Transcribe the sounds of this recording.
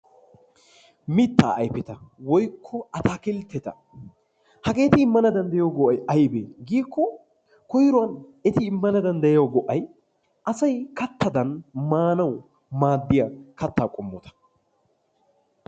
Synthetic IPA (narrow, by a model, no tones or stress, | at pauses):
mɪt̪ːa̰ːɐjpɪt̪ɐwɔjkʰːɔɐt̪aːkɪlt̪ːɛt̪ɐ | hɐɡe̞ːt̪ɪɪmːɐnɐd̪ɐnd̪ɛjoɡɔʔɐjɐjbeːɡiːkʰːɔ | kɔjɪɾɔwɐnɛt̪ɪːmːɐnɐd̪ɐnd̪ɛjɡɔʔɐj | ʔɐsɐjkɐt̪ːɐd̪ɐnmaːnɐw | maːd̪ːɪjɐkɐt̪ːaːkʼɔmːɔt̪ɐ̥